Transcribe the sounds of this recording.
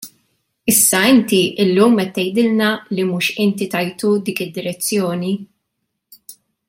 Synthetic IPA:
ɪsːɐɪnt̪iʔɪlːuːmɛt̪ːɛjd̪ɪlnɐlimuːʃɪnt̪it̪ɐjt̪ud̪iːkɪd̪ːɪɾɛt͡sːjɔːni

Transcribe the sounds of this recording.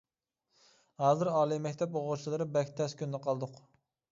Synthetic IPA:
hɑːzɨɾɑːlˠijmɛkʲt̪ʰɛpoʁʊt͡ʃʰilˠɨɾɪbɛkʲt̪ʰɛskʲynd̪ɛqʰɑlˠd̪ʊq

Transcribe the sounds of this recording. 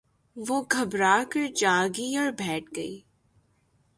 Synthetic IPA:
ʋoːɡʱɐbɾaːkəɾd͡ʒaːɡiɔːɾbʱɛːʈ̚ʰɡɐiː

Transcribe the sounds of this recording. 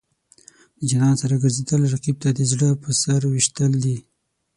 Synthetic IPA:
d̪əd͡ʒanɑnsaɾaɡaɾzed̪əlɾaqib̚t̪ad̪əzɽəpəsaɾwiʃt̪əld̪i

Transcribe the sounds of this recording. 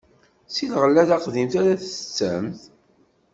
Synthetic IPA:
silʁəlːæðæqðimθaɾæθət͡sːəmθ

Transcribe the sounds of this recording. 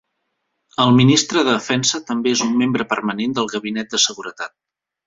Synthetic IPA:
əlˠminist̪ɾəðəðəfɛnsət̪əmbeezumːembɾəpərmənend̪əlˠɣəβinɛt̪̚d̪əsəɣuɾət̪at̪̚

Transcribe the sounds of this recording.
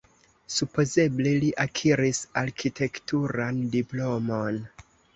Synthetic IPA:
supo̞ze̞bleliʔakʰiɾisaɾkʰitʰe̞ktuɾandiplo̞mo̞n

